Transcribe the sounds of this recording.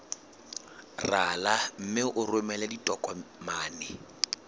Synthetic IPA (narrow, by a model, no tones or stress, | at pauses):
ralam̩mɪʔʊrwemɛlɛditʼɔkʼɔmaːnɛ